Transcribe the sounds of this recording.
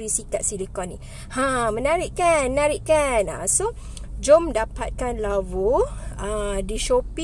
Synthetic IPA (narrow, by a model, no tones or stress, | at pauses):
ɾisikat̪̚silikɔnĩ | hãmənaɾɪʔkannaɾiʔkana̰so | d͡ʒomdapat̪̚kanlavoadiʃopi